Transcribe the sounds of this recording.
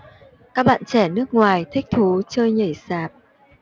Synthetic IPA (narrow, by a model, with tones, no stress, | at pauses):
kaː˦˥k̚ɓa̰ː˧˨nt͡ɕɛ˧˩nɨ˦˥ək̚ŋwaː˨˩jt̪ʰï˦˥k̟̚t̪ʰu˨˦t͡ɕəː˧jɲə˧˩jsaː˨˩p̚